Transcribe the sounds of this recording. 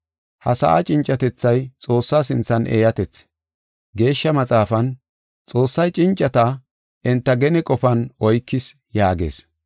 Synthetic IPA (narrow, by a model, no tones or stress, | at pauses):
hɐsɐ̰ʔa̰t͡ʃʼɪnt͡ʃʼːɐt̪ɛt͡sːɐjt͡sʼo̞ːsːaːsɪnt͡sːɐnʔḛːjɐt̪ɛt͡sː | ɡe̞ːʃːɐmɐt͡sʼaːfɐn | t͡sʼo̞ːsːɐjt͡ʃʼɪnt͡ʃʼːɐt̪a | ʔɪnt̪ːɐɡɛnɪkʼɔpɐnɔjkːɪs | jaːɡe̞̰ːs